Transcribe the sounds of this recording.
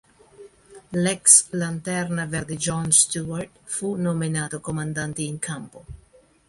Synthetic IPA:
lɛkslant̪ɛrnavɛɾd̪id͡ʒɔnst̪uaɾt̪funominaːt̪okomand̪ant̪iːŋkʰampo

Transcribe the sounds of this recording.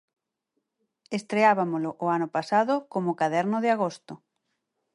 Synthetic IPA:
est̪ɾeaβamolʊʔːanʊpasaðʊkomʊkaðɛɾnʊðɪaɣ̞ost̪ʊ

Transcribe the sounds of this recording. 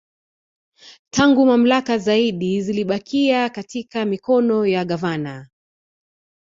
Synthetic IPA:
tʰaŋɡumam̩lakazaiɗiziliɓakʰiakatikamikɔnɔjaɠavana

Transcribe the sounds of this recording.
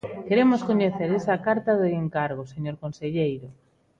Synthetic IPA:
keɾemoskoɲeθeɾesɐkaɾt̪aðeeŋkaɾɣ̞oseɲoɾkonseʎejɾo

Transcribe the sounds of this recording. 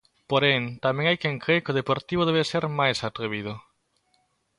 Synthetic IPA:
poɾent̪amẽŋajkeŋkɾekɪoðepoɾt̪iβ̞oð̞eβeseɾmajsat̪ɾeβiðʊ

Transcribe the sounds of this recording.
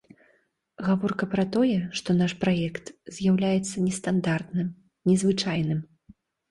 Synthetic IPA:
ɣavɔrkɐpɾɐt̪ɔjɛʂt̪ɔnaʂpɾajɛkt̪zʲjawlʲajɛt̪sːɐnʲɛst̪and̪art̪nɨm | nʲɛzvɨt͡ʂajn̪ɨm

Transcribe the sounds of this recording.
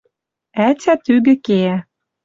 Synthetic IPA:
æt͡sʲæt̪yɡɘ̆keæ

